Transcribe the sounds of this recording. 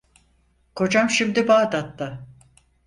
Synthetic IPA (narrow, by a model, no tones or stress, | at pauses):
ko̞d͡ʒamʃimd̪ibaːd̪at̪ːa